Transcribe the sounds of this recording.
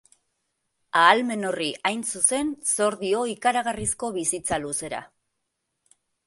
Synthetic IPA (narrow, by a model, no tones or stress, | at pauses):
aːlme̞no̞riajnsuse̞nso̞ɾðio̞ikaɾaɣarisko̞βisit͡saluse̞ɾa̰